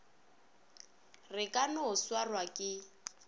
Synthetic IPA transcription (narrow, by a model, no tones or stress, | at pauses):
rɪkʼanʊʊswarwakʼɪ